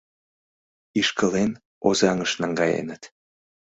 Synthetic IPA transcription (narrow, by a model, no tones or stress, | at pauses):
iʃkəlen | ozɑŋəʃnɑŋɡɑjḛnət̪